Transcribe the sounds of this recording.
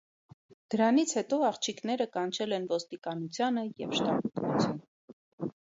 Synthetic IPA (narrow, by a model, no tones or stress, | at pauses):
d̪̥əɾɑnit͡sʰhɛt̪ɔɑχt͡ʃʰiknɛɾəkɑnt͡ʃʰɛlɛnvɔst̪ikɑnut͡sʰjɑnəjɛvʃt̪ɑput̪nut͡sʰjun